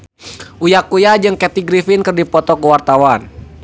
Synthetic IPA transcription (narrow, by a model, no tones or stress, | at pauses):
ʔujakujad͡ʒɨŋkɛt̪iɡɾifinkɨrdipɔt̪ɔkəwart̪awan